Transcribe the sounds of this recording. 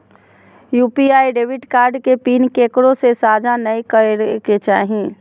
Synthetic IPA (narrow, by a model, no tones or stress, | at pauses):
juːpiaːiɖeːʋɪʈkaːɾɖkepiːnkeːkɾõsesaːd͡ʒanɐikəɾket͡ʃaːɦĩ